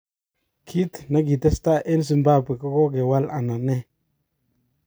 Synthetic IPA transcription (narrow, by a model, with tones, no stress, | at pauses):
kʰi˦t̪na˦ɡi˨te˦sta˦ʔe˦ns̬i˨mba˦pe˨ko˦ko˦ɡe˨wa˦la˨na˨ne˦